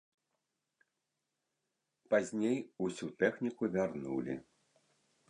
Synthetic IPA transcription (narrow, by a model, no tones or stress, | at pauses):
pazʲnʲejusʲut̪ɛxnʲikuvʲarnṵlʲḭ